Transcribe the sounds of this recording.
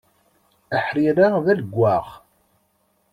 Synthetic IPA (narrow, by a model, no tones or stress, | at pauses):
əħɾiɾaʁðæləɡʷːaʁ